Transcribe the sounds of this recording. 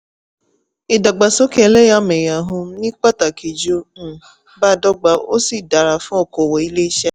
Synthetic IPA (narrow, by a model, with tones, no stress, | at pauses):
i˨da˨ɡ͡ba˨so˦ke˨˦le˦ja˦me˨ja˨ɦo˧m̩˦nĩ˦k͡pa˦ta˨ki˨d͡ʒu˨˦˨ | ba˦˨dɔ˦ɡ͡ba˨o˦si˨da˨ɾa˨fũ˦ɔ˦˨ko˨wɔ˨i˦le˦i˦ʃɛ˦